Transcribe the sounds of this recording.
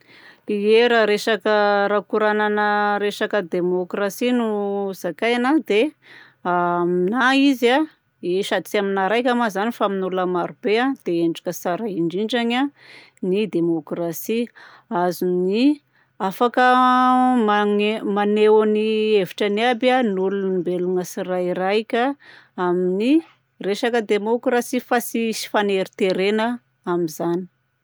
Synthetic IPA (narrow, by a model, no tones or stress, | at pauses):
ieɾaɾesakəɾakuɾananəɾesakəd̪emokrasinuz̥akajanad̪e | aminaiza | eʃat͡siaminaɾajkʲamazanifaminuləmaɾub̥ead̪̥eeɳɖ͡ʐḁkəsaɾaiɳɖ͡ʐiɳɖ͡ʐaɲa | nid̪emokrasi | azuni | afakə | maŋemanewanieviʈ͡ʂəniabanulunimbelunəsirajiɾajkʲəamini | reʃakəd̪emokrasifasisi̥faneɾit̪eɾenə | amizani̥